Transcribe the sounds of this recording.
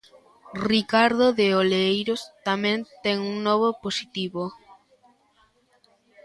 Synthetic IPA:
rikaɾðoðeoleejɾost̪amɛ̃nt̪ɛŋuŋnɔβ̞oposit̪iβo

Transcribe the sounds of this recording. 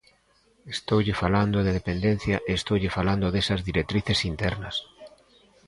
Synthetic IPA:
est̪owʎɪfaland̪oðeðepend̪en̟θjɐʔeːst̪owʎɪfaland̪oðesɐzðiɾek̚t̪ɾiθesint̪ɛɾnɐs

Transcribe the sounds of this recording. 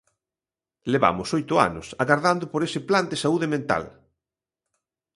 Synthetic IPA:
leβa̰mʊsojt̪ʊa̰nʊ̰saɣaɾðand̪ʊpoɾesɪpland̪esauðemẽnt̪a̰l

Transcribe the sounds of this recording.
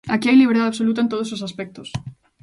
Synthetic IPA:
akiajliβeɾðaðaβsolut̪̬aẽnt̪oðos̬osaspɛk̚t̪ʊs

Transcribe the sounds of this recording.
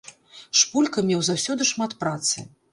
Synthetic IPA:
ʂpulʲkɐmʲɛwzawsʲɔd̪ɨʂmat̪pɾat̪sɨ̰

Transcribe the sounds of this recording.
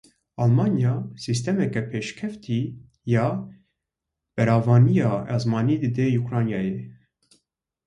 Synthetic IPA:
ɑlmɑnjɑsist̪ɛmɛkɛpʰeːʃkʰɛft̪ʰi | jɑː | b̥ɛɾɑːvɑːnijɑːʔɑzmɑːniːd̪ɨd̪ejukɾɑːnjɑːje

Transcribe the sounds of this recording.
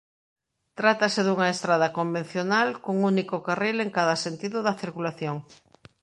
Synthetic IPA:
t̪ɾat̪ɐsɪðuŋɐest̪ɾað̞ɐkombẽn̟θjonalkoŋunikʊkarileŋkaðɐsent̪iðʊðɐθiɾkulaθjoŋ

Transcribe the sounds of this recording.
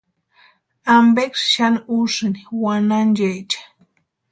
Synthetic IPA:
ambekʃʃaniuʂniwanand͡ʒajt͡ʃḁ

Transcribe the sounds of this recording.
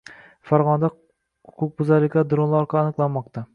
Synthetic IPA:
faɾʁɒnad̪a | ʊkʰʊk̚bʊzaɾlɪkʲad̪ɾonlˠɒɾqʰɑːnɨqlˠanmːɒq̚t̪ʰa

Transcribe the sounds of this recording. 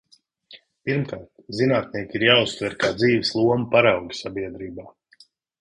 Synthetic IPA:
piɾmkaːɾt̪zinaːt̪̚niɛkiɾjaːust̪vɛɾkaːd̪ziːʋɪslˠuɔmɐpaɾawɡsabiɛd̪ɾiːbaː

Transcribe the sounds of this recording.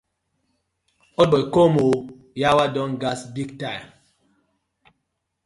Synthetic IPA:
ɔbɔkomo | jawadɔnɡasbikta

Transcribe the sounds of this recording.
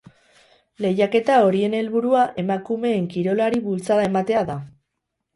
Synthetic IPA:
le̞jake̞t̪ao̞ɾie̞ne̞lβuɾuaʔe̞makume̞ːŋkiɾo̞laɾiβult͡saðae̞mat̪e̞aða

